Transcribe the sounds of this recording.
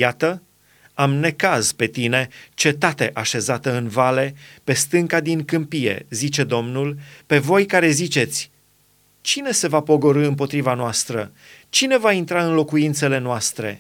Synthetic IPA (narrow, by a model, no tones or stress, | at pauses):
jat̪ə | amne̞kazpe̞t̪ine̞t͡ʃe̞t̪at̪e̞ʔaʃe̞zat̪əɨnvale̞pe̞st̪ɨŋkad̪iŋkɨmpije̞̰zit͡ʃe̞d̪o̞mnulpe̞vo̞jkaɾe̞zit͡ʃe̞t̪sʲ | t͡ʃine̞se̞vapo̞ɡo̞ɾɨɨmpo̞t̪ɾivanoast̪ɾə | t͡ʃine̞vaint̪ɾaɨnlo̞kuint̪se̞le̞noast̪ɾe̞̰